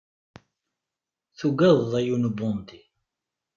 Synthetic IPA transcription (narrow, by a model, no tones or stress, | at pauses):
θuɡæððˤæjunbʊnd̪i